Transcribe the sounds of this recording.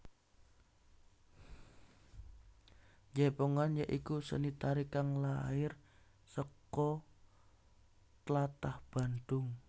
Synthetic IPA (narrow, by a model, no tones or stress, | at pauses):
jɛpoŋanjaʔikusə̰nit̪aɾikaŋlaɪr | səkɔ | t̪lat̪ahb̥a̤nd̪ʊŋ